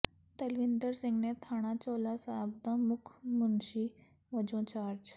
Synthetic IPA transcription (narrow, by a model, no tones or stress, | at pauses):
t̪əlʋind̪əɾsĩŋɡnẽt̪ʰaɽ̃ãt͡sɔlasabd̪ãmukʰmunɕi | ʋəd͡ʑõt͡ɕaɾd͡ʑ